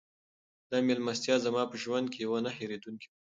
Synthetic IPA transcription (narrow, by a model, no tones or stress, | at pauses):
d̪̥ɑmelmast̪jɑzamɑpəʒwand̪̚kʰejawanaheɾed̪unkia